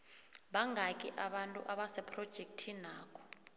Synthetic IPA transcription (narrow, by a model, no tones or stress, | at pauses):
ɓaŋɡʱakʼiʔaɓantʼṵʔaɓasɛpʰʼrɔd̥ʒ̥ʱek̚tʰinaːkʰɔ̥